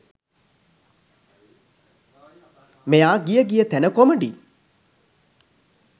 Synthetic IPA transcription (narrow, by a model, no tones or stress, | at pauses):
mejaːɡijəɡijət̪ænəkoməɳɖi